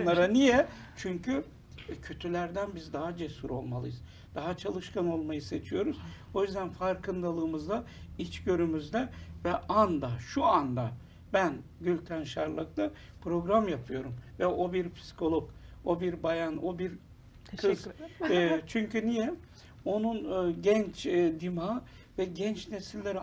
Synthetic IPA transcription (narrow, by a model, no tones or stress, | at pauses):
aɾanijɛt͡ʃʰyɲcʰy | cʰø̞t̪ʰylʲæɾd̪ænbizd̪aɦad͡ʒesuɾo̞̰lˠmalˠɯ̰jɯz | d̪̥aɦat͡ʃʰalˠɯʃkano̞lˠmajɯse̞t͡ʃʰijo̞ɾuz̥ | o̞jyzd̪ænfaɾkʰɯnd̪alˠɯːmɯzd̪ait͡ʃɟø̞ɾymyzd̪ɛvɛʔand̪aʃuand̪a | bænɟylʲt̪ʰænʃaɾlˠak̚t̪a | pʰɾo̞ɡɾamjapʰɯjo̞ɾumvɛʔo̞biɾpʰi̥skʰo̞lˠoko̞biɾbajano̞biɾ | kʰɯz | t͡ʃʰyɲcynijɛ | o̞nunɟɛnt͡ʃd̪imaː | vɛɟɛnt͡ʃne̞silʲːe̞ɾi